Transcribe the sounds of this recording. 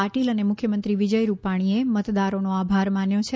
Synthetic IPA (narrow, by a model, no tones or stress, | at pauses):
aʈilənemʊkʰjəmənt̪ɾiʋɪd͡ʒəjɾupaɽ̃iemət̪d̪aɾonoabʱaɾmanjõt͡ʃʰe